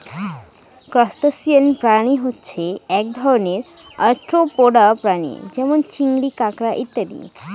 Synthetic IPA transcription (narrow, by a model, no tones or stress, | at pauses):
kɾɔsʈosiənpɾaniɦotːɕʰeɛk̚d̪ʱɔɾoneɾaɾʈɾopoɖapɾanḭd͡ʑɛmont͡ɕiŋɾikakɾaʔit̪ːad̪ḭ